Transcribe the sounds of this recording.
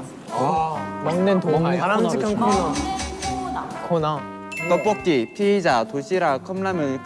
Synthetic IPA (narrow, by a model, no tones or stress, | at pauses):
maŋnentoaɾamd͡ʑʰikʰankʰo | nakʰona | k͈ʌp͈ʌk̚t͈ipʰied͡ʑatoɕ͈ʰiɾakʰʌmlamɯɭk